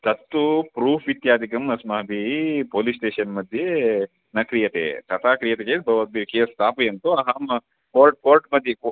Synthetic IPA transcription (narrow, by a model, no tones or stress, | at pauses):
t̪ɐt̪ːupɾuːpʰʋit̪jaːd̪ʱikɐmɐsmɐɦɐbipoːlisʈeːʃɐnmɐd̪ʱje | nɐkɾijɐt̪ḛt̪ɐt̪ʰaːkɾijɐt̪ekeːbʱɐʋɐikeːst̪aːpɐjɐnt̪uɐɦaːmɐ | poːɾʈ̚koːɾʈmɐd̪ʱjek